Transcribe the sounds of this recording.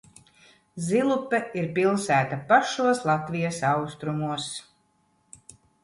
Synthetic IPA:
zilˠupːɛiɾpilˠsæːt̪apaʃuɔslˠat̪vʲijasawst̪ɾumuɔs

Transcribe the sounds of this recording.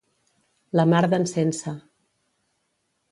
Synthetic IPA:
ləmaɾðənsɛnsə

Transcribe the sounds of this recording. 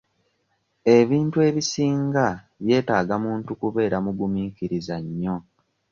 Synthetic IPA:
e̞βiːntue̞ːβisiːŋɡa | βje̞ːtaːɡamuːntukuβe̞ːɾamuɡumiːkiɾizaɲːo̞

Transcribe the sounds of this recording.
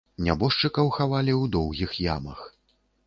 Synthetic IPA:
nʲa̰bɔʂt͡ʂɨkɐwxavalʲiwd̪ɔwɣʲixja̰mɐx

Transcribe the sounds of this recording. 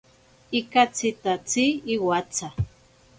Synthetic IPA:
ikat͡sɪt̪at͡siːwat͡sa

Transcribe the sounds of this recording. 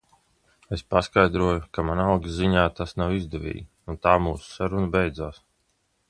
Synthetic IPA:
espaskajd̪ɾuɔjukamanaawɡiziɲaːt̪asnawizd̪ɛvʲḭːji | unt̪aːmuːsu̥saɾunabejd̪zaːs

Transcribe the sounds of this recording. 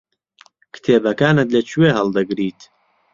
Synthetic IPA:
kʰɨ̥t̪ʰeːbɐkaːnɨt̪lɐt͡ʃʰuweɦɐld̪ɨɡɾiːt̪

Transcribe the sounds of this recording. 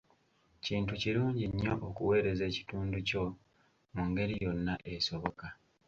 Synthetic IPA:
ciːntuciɾuːɲɟiɲːo̞ʔokuwe̞ːɾe̞ze̞ːci̥tuːnduco̞ | muŋɡe̞ɾijo̞nːaʔe̞so̞βo̞ka

